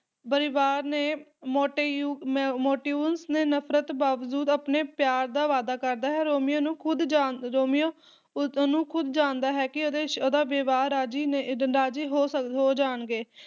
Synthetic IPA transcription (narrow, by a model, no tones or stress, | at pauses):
bəɾɪʋaːɾneːmoːʈeuːmoːʈiːuːnsneːnəpʰɾət̪baːʋəd͡ʒuːd̪aːpneːpjaːɾd̪aːʋaːd̪aːkəɾd̪aːɦɛːɾoːmɪjõːnũːkʰʊd̪ɾoːmijõː | nũːkʰʊd̪d͡ʒãːnd̪aːɦɛːkɪod̪eːoːd̪aːʋeːʋaːɾaːd͡ʒiːneːɾaːd͡ʒiːɦoːsəɦoːd͡ʒaːɳɡeː